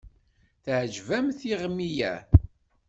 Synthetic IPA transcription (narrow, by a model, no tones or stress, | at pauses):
θʕʒvæmθiʁmːijæ̰